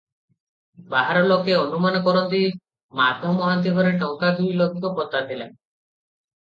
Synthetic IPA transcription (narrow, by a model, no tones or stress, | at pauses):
baɦaɾɔlokeɔnumanɔkɔɾɔnt̪i | mad̪ʱɔmɔɦant̪̬iɡʱɔɾeʈɔŋkad͡ʒuilɔɡikɔpɔt̪ad̪ʱila̰